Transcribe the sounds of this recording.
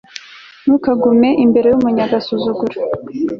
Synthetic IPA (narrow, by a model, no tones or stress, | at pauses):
nukaɡume̞ʔimbe̞ɾe̞jumuɲaɡasuzuɡuɾa